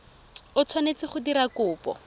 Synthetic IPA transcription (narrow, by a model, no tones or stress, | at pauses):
ʊt͡sʰwanet͡sɪχʊdiɾakʊːpɔ̰